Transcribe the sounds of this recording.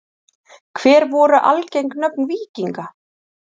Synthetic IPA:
kʰvɛːɾvɔːɾʏʔa̰lcejŋknœpnviːciŋka

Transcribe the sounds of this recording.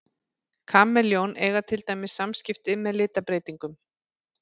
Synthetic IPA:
kʰaːmːɛljownɛɣat̪ʰɪlt̪aːjmɪsamscɪft̪ɪmɛðlɪːt̪apɾeːjt̪iŋkʏm

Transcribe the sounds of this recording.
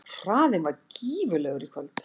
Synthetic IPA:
r̥aːðɪnvaɾciːvʏlɛɣʏɾikʰœlt̪

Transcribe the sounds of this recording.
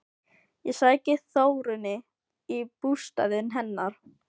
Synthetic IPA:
jɛsaːɛcɪθoːwɾʏnɪ | ipust̪a̰ðɪnɦɛnːaɾ̥

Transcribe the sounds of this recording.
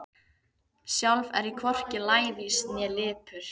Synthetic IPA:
sjawlvɛ̰ɾikʰvɔr̥cɪlaːjðisnjɛlɪːpʏɾ̥

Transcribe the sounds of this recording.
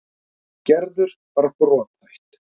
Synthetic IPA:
cɛɾðʏɾ̥vaɾapɾɔːt̪ajht̪

